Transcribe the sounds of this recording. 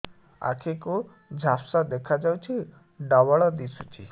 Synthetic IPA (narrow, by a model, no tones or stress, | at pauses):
a̰kʰeku | d͡ʒʱapsad̪ekʰad͡ʒawt͡ʃʰi | ɖɔbɔɭɔd̪isut͡ʃʰi